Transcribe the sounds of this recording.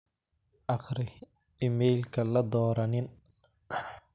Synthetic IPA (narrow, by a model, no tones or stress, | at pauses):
ʔɑχɾɪ | ɪmɛjlkʰɐlɐd̪ɔːɾɐnɪn